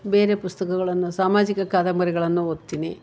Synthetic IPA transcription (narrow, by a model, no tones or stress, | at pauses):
be̞ːɾepust̪ɐɣɐɣɐɭenːusaːmaːd͡ʑiɣɐkaːd̪ɐmɐɾiɣɐɭenːuot̪ːinḛ